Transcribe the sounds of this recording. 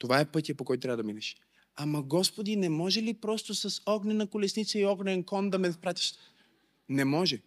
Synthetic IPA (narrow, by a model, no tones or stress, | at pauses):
t̪ovaɛpɤt̪ʲijɐpokɔjt̪ʊt̪ɾavəd̪ɐminɛʃ | amɐɡɔspod̪inɛmɔʒɛlipɾɔst̪osɐsɔɡnʲɛnɐkʊlɛsnit̪səiɔɡnʲɛnkɔnd̪ɐmɛfpɾat̪ʲi̥ʃt | nɛmɔʒɛ